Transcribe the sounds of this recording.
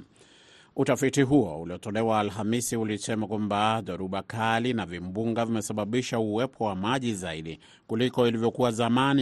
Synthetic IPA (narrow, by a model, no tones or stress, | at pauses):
utafitiɦuɔuliɔtɔlɛwaːlɦamisiulisɛmakwambaðɔɾuɓakalinavimbuŋɡavimɛsaɓaɓiʃauwɛpʰɔwamaʄizaiɗi | kulikɔilivjɔkuwazamani